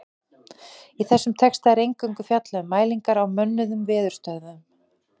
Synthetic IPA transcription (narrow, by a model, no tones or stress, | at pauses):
iθɛsːʏmt̪ʰɛkst̪aɛɾejŋkʏɥŋkʏfjat̪laʏmaːjliŋkaɾawmœnːʏðʏmvɪːðʏɾ̥st̪œɣðam